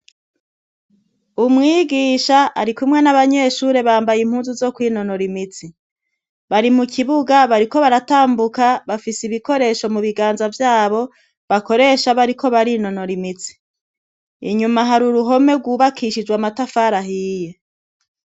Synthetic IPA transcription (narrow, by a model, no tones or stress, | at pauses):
umŋiːɡiːʃaa̰ɾikumŋe̞naβaɲe̞ʃuːɾe̞βaːmbajim̥huːnzuzo̞kwiːno̞no̞ɾimit͡si | βaɾimukʰiβuɡaβaɾiko̞βaɾataːmbukaβafisiβiko̞ɾe̞ʃo̞muβiɡaːnzavjaːβo̞ | βako̞ɾe̞ʃaβaɾikʰo̞βaɾino̞no̞ɾimit͡si̥ | ḭɲumaɦaɾuɾuɦo̞me̞ɡwuːβakʰiʃid͡ʒɡwamatafaːɾaɦiːje